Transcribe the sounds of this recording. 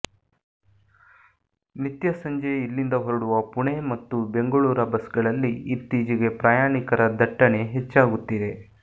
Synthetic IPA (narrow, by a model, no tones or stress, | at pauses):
nit̪jɐsɐɲd͡ʒeilːind̪ɐɦɐɾuɽuʋɐpuɳe̞mɐt̪ːube̞ŋɡɐɭuːɾɐbɐsɡɐɭɐlːiit̪ːiːd͡ʒiɡe̞pɾaːjaːɳikɐɾʔɐd̪ʱɐʈːɐɳe̞ɦet͡ʃːaːɡut̪ːid̪e̞